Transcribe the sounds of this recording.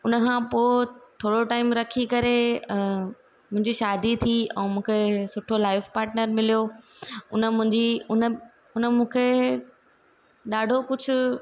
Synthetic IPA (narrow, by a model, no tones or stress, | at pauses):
ʊnəkʰãːpoːt̪ʰoːɽoʈaːɪmɾɐkʰikɐɾe | mʊ̃ɦɪ̃ɲd͡ʑiʃaːd̪it̪ʰiɛ̰̃ːmũːkʰesʊʈʰolaːɪfpaːɾʈnəɾmɪlijo | ʊnə̆mʊ̃ɦɪ̃ɲd͡ʑiʊnə | ʊnəmũːkʰe | ɗaːɖʱokʊd͡ʑʱʊ̆